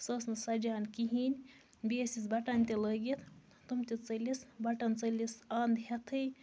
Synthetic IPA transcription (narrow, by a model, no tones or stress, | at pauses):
sɐsnɨsɐd͡ʒaːnkiɦinʲ | beːsisbɐʈanʲt̪ʲiləɡit̪ʰ | t̪umt̪ʲit͡sɐlʲisbɐʈɐnt͡sɐlisand̪hɐt̪ʰɨj